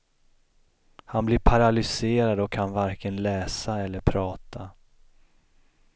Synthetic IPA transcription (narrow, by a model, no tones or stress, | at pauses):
hanblɪɾpʰaɾalʏseːɾad̪ɔkʰːanvaɾkənlɛːsaɛlːəɾpʰɾɑːt̪ʰa